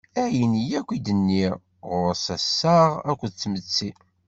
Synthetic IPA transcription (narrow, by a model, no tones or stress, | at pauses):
æjənijækʷid̪ənːi | ʁʊɾsæsːaʁækʷːd̪t͡sːmət͡sːi